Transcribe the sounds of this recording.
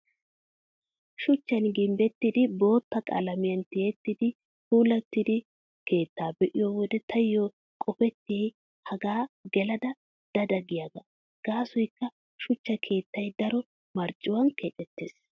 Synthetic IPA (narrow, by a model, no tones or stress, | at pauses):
ʃʊt͡ʃːɐnɡɪmbɛt̪ːɪd̪ɪbo̞ːt̪ːɐkʼɐ̰lɐmɪjɐnt̪ɪjɛt̪ːɪd̪ɪ | huːlɐt̪ːɪd̪ɪ | ke̞ːt̪ːaːbɛʔɪjoːwɔd̪ɛt̪ʰɐjjo | kʼɔpɛt̪ːɪjɛj | hɐɡaːɡɛlɐd̪ɐ | d̪̥ɐd̪ɐɡɪjaɡɐ | ɡ̥aːsɔjkːɐ | ʃʊt͡ʃːɐkʰe̞ːt̪ːɐjd̪ɐɾɔ | mɐɾt͡ʃʼːɪwɐnket̪ʼːɛt̪ːeːs